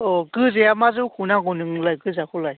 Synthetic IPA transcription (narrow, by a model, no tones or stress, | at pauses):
ɔɡɯzejamazɯkʰunaɡɔnɯŋlajɡɯzakʰulaj